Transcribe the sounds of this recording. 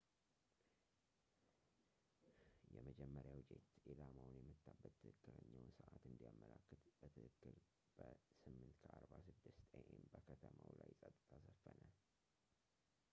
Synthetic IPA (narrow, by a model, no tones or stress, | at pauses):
jɛməd͡ʒɛmːəɾjawd͡ʒet̪ilamawnjɛmːɨt̪ʰːabːət̪ʰːɨhɨkːɨləɲːəwnsɨʔat̪ɨnd̪ijamːəlakːət̪b̥ət̪ʰɨhɨkːɨl | b̥əsɨmːɨnt̪kʰəʔaɾbasɨd̪ːɨst̪ʰʼəʔembəkʰət̪ʰəmawlajsʼət̪ʼːɨt̪ʰasəfːənə